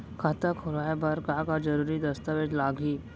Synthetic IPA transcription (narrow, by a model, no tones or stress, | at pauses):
kʰat̪akʰoɾajabəɾkakad͡zəɾuɾiːd̪əst̪aʋeʈlaɡʱi